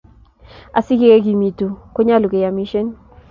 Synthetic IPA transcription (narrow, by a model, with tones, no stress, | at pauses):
a˨si˦ke˦e˦ɡi˨mi˨tu˨ko˦ɲa˦lo˨ke˨ja˨mi˦ʃe˦n